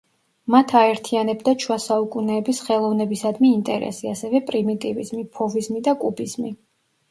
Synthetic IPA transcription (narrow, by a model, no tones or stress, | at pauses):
mat̪ʰaɛɾt̪ʰianɛbd̪at͡ʃʰwasaukʼunɛːbisχɛlˠɔvnɛbisad̪miːnt̪ʼɛɾɛ̰siasɛvɛpʼɾimit̪ʼivḭzmipʰɔvizmid̪akʼubizmi